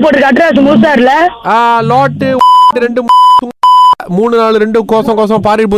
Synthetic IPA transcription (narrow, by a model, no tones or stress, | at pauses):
poːʈɾɯkɐʈːɾaːs̬ɯmʊs̬aːɾɯlɐaːlaːʈːɯaːɖɯɾɛɳɖɯmːsʊŋmuːɳɯnaːɭɯɾɛɳɖɯkoːsɐ̃ŋkoːs̬ɐ̃paːɾɪp̬u